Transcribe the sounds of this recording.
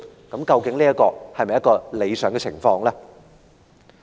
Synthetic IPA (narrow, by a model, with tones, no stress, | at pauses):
kɐ˨˥mkɐ˧wkɪ˨˥ŋliː˥kɔː˧hɐ˨jmɐ˨jkɔː˧le˨˧jsœː˨˩ŋɡɛ˧t͡sʰɪ̰˨˩ŋfɔː˧ŋlaː˥